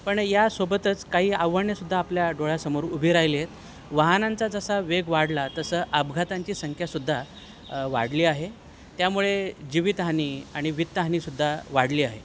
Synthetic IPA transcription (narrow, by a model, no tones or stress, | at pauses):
pəɳjasobət̪ət͡skaɦiːaʋːəɾɳjesud̪ʱːaːpljaɖoɭasəmoɾubʱiɾajljet̪ | ʋəɦnant͡sad͡zəsaʋeɡʋaɽlat̪əsəːʔəbɡʱat̪aɲt͡ɕiːsəŋkʰjasud̪ʱːa | ʋa̰ɽliːaɦe | t̪jamuɭed͡ʑiʋit̪ɦaniːaɽ̃iʋit̪ːəɦanisud̪ʱːaʋaɽliːaɦe